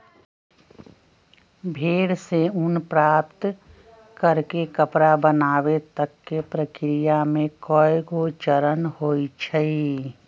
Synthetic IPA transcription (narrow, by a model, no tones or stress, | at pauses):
bʱeːɽseʊnpɾaːpt̪ | kəɾkekəpɾabənaːwet̪əkːepɾəkɾijamẽkɔjɡot͡ʃəɾənhoːit͡ʃʰəi